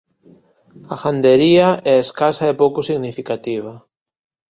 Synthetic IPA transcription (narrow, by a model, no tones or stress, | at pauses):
axand̪eɾiɐɛaeskasɐɛpowkʊsiɣnifikat̪iβ̞ɐ